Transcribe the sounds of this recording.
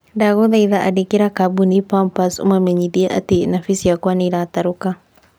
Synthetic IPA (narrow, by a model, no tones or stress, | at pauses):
daɣoðaiðaʔadikiɾakabunipampasṵmameɲidiaʔa̰tenafisijakwaniɾataɾuka